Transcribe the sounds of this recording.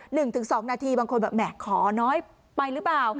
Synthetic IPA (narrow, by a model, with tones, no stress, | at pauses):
nɯ˨˩ŋt̪ʰɯ˨˩˦ŋsɔː˩˦ŋnaː˧t̪ʰiː˧baː˧ŋkʰo˧nbɛː˨˩p̚mɛː˨˩kʰːɔː˩˦nɔː˦˥j | pa˧jɾɯ˦˥plaː˨˩w